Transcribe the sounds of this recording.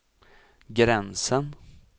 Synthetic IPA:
ɡɾɛnsən

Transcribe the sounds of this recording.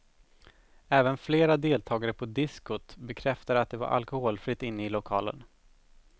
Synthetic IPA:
ɛːvənfleːɾad̪eːlt̪ʰɑːɡaɾəpʰɔd̪ɪskʊt̪bɛkʰɾɛft̪ad̪əat̪̚d̪ɛva̰ɾʔa̰lkʊhoːlfɾɪt̪ːɪnːəɪlʊkʰɑ̰ːlə̰n

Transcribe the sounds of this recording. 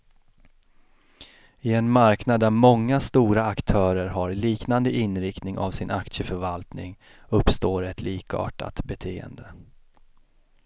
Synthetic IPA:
ɪɛnmaɾknad̪ːæɾmɔŋːast̪uːɾaːkt̪ʰœːɾəɾɦaɾliːknand̪əʔɪnɾɪkt̪nɪŋa̰vsɪnʔakt̪ʂəfœɾvalt̪nɪ̰ŋ | ɵpːst̪oːɾɛt̪ʰliːkɑ̰ːʈa̰t̪bɛt̪ʰeːə̰nd̪ə

